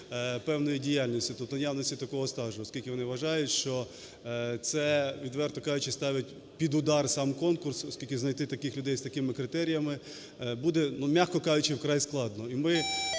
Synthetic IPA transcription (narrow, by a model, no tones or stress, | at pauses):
pɛwnɔjidʲijalʲnʲisʲtʲit̪ɔpt̪ɔjawnɔsʲtʲit̪ɐkɔɦɔst̪ɑʒʊɔskʲilʲkʲɪʋɔnɪʋɐʒɑjʊtʲʃt͡ʃɔ | t̪sɛʋʲid̪ʋɛrt̪ɔkɑjʊt͡ʃɪst̪ɑʋʲɐtʲ | pʲid̪ʊd̪ɑrsɑmkɔnkʊrsɔsʲkʲilʲkʲɪznɐjt̪ɪt̪ɐkɪxlʲʊd̪ɛjst̪ɐkɪmɪkɾɪt̪ɛɾʲijɐmɪ | bud̪ɛnumʲaxkɔkɑjʊt͡ʃɪwkɾɑjsklˠɑd̪nɔimɪ